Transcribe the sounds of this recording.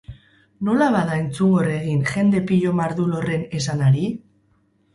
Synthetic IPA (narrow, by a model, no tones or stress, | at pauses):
no̞laβaðae̞nt͡suŋɡo̞re̞ɣinʝe̞nd̪e̞piʎo̞maɾðulo̞re̞ne̞sanaɾi